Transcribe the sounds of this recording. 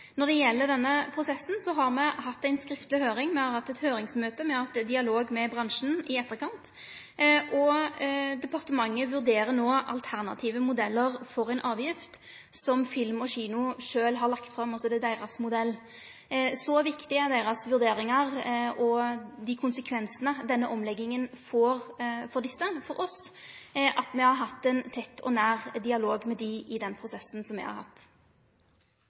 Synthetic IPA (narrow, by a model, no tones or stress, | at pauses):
nɔʁd̪ɛjɛlːəɾd̪ɛnːəpʰɾʊsɛsːn̩sɔɦɑɾmɛhɑt̪ːæɪnskɾɪft̪lɪhøːɾɪŋmɛhɑɾhɑt̪ːɛt̪høːɾɪŋsmøːt̪əmɛhɑɑt̪ːɛd̪ɪɑloːɡmɛbɾɑŋʂn̩ɪɛt̪ːəɾkʰɑnt̪ | ʔɔ | d̪ɛpʰɑʁt̪əmɑŋːəʋʉɾd̪eːɾənoːʔɑ̰lt̪ʰæʁnɑ̰t̪ʰiːʋəmʊd̪ɛlːəɾfɔɾæɪnʔɑːʋjɪft̪ | sɔmfɪlmɔɕiːnʊʂøːlɦɑɾlɑkt̪fɾɑmɑsɔd̪ɛd̪æɪʁɑsmʊd̪ɛlː | sɔʋɪkt̪ɪæɾd̪æɪɾɑsʋʉʁd̪eːɾɪŋɑʁɔd̪ɪkʰʊnsəkʰʋɛnsənəd̪ɛnːəʔɔmlɛɡːɪŋənfɔʁfɔɾd̪ɪsːəfɔɾɔs | ʔɑt̪mɛhɑɾɦɑt̪ːɛɪnt̪ʰɛt̪ːʰɔ̰næːʁd̪ɪɑloːɡmɛd̪ɪʔɪd̪ɛnpʰɾʊsɛsːn̩sɔmɛɪhɑ̰ɾhɑ̰t̪ː